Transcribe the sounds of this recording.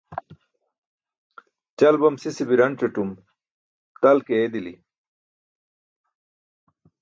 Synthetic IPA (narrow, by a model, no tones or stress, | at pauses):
t͡ɕɐlbɐmsisibiɾɐɳt͡ɕuʈum | t̪ɐlkeed̪ili